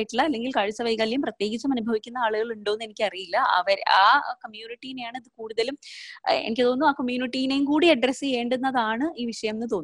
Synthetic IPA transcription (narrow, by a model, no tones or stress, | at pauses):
iʈːuɭːɐːlːe̞ŋɡilkaːɻit͡ɕːɐʋɐjkaljumprɐt̪je̞ːɡit͡ɕːumɐnubʱɐʋikʲːunːɐaːɭuɣɐɭuɳɖo̞ːnːe̞nikʲːɨɐrijilːɐɐ̰ʋɐɾa̰ːkɐmjuːniʈːijine̞jaːɳɨɐðɨkuːɽuðɐlumḛnikʲːɨt̪o̞ːnːuaːkɐmjuːniʈːijine̞jumkuːɽiɐɖrɐsɨjeːɳɖenːɐðaːɳɨiːʋiʂɐjɐmnːɨt̪oːnː